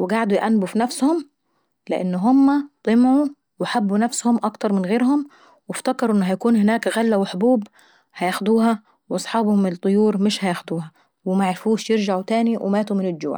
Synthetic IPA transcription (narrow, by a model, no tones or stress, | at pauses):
wɪɡaʕd̪ujʔænːbufinæfshʊm | lɪʔɪnːɦʊmːæt̪ˤɨmʕu | wɪħabːunæfshʊmʔɑkt̪ɑɾˤmɪnɣeːɾhʊm | wɪft̪akɑɾˤʔɪnːɦæjækuːnhɪnæːkɣælːæwɪħbuːb | hæjaxd̪uːɦæ | wʔɑsˤħɑːbhʊmɪt̪ˤːʊjuːɾˤmɪʃhæjaxd̪uːhæ | wɪmaʕaɾɪfuːʃjɪɾd͡ʒaʕut̪æːniwɪ̰maːt̪umɪnɪld͡ʒṵːʕ